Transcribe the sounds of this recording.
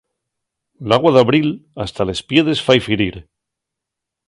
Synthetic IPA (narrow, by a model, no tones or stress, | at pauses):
laɣ̞waðaβɾilast̪alespje̞ðe̞sfajfiɾiɾ